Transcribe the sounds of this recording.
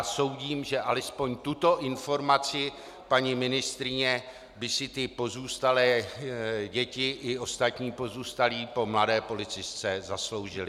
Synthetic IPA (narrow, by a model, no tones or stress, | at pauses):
so̞wɟiːmʒɛʔalɛspo̞ɲt̪ut̪o̞ʔɪnfo̞ɾmat͡sɪ | paɲɪmɪnɪst̪ɾɪɲɛ | bɪsɪt̪ɪpo̞zuːst̪alɛː | ɟɛcɪʔɪo̞st̪at̪ɲiːpo̞zuːst̪aliːpo̞mladɛːpo̞lɪt͡sɪst͡sɛzaslo̞wʒɪlɪ